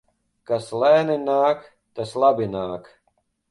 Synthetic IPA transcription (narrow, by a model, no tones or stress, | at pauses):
kaslɛːninaːk | t̪aslˠabinaːk